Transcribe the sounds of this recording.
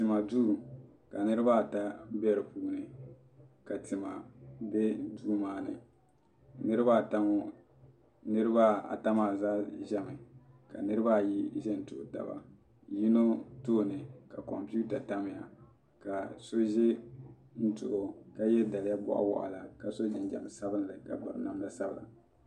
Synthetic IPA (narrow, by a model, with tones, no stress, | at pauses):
tɨ˨ma˨du˦˨ | ka˨nɨ˦ɾɨ˦ba˦˨ta˦bɛ˦ɾɨ˨puː˨˦nɨ˨ | ka˨tɨ˨ma˨bɛ˦duː˦maː˦nɨ̰˨ | nɨ˦ɾɨ˦ba˦˨ta˦mo˨ | nɨ˦ɾɨ˦ba˦a̰˨ta˦maː˨zaː˦ʒɛ˦mɨ˨ka̰˨nɨ˦ɾɨ˦ba˦˨ji˦ʒɛ˦n̩˨tʊ˨ʔo˨ta̰˨ba̰˨ | ji˦no˦toː˦˨nɨ˨ka˨kɔ˨mpuː˦ta˨ta˦mɪ˨ja˨ | ka˨so˦ʒɪ˦ | n̩˦tʊ̰˨ʔo˨ka˦jɛ˦da˨lja˦bɔ̰˦ʔa̰˦wɔ̰˨ʔa̰˨la˨ka˨so˦d͡ʒɪ˨n˦d͡ʒa̰˨m˨sa˦bɨ˦n˦lɨ˨ka̰˨ba˨ɾna˨mla˦sa˦bla̰˨